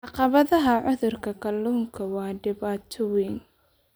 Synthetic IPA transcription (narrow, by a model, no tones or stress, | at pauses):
ʕɑqɑβɐðɐɦɐʕʊðʊrkʰɐkʰɐlːuːŋkʰɐwɑːɖɪβaːt̪ʰɔwiŋ